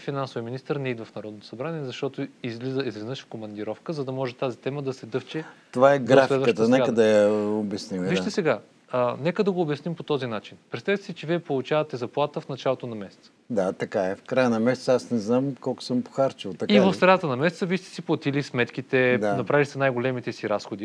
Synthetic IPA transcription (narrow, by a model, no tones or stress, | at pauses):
finansʊvijəminist̪əɾnɛid̪vɐfnɐɾɔd̪not̪o̥sɐbɾanʲiɛɛzɐʃt̪ɔt̪oizlizizlʲiznəʃkomɐnd̪iɾɔfkəzɐd̪ɐmɔʒɛt̪azit̪ɛməd̪ɐsɛd̪ɤft͡ʃɛ | t̪ovaɛɡɾafliɛd̪vəkʃət̪ənɛkəd̪ɐjɐobjɐsnimviʃt̪ɛsɛɡa | ənɛkəd̪ɐɡoːbjɐsnimpot̪ɔzinat͡ʃinpɾɛt̪t̪avit̪ɛsit͡ʃɛviɛpolˠut͡ʃavɐt̪ɛzɐplˠat̪əfnɐt͡ʃalˠot̪onɐmɛsɛ̥t̪sə̥d̪at̪ɐkaɛfkɾajənɐmɛsɛ̥tsəasnɛznamkɔlˠkʊ̥səmpo̥xaɾt͡ʃilˠt̪ɐkivɐfst̪ɾɐnat̪ənɐmɛsɛt̪səviʃt̪ɛ̥siplˠɐt̪ilismɛt̪k̟it̪ɛd̪anɐpɾavist̪ɛnajɡolɛmit̪ɛsiɾasxod̪i